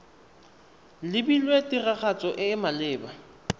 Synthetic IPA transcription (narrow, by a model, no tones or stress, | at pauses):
lɪbilwetiraɣat͡sʼɔʔɪmalɪːba